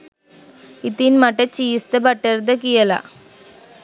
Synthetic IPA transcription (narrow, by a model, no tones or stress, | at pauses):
it̪ːinmɐʈːɐt͡ʃijst̪ɐbɐʈːɐɾd̪ɐkijɐla̰ː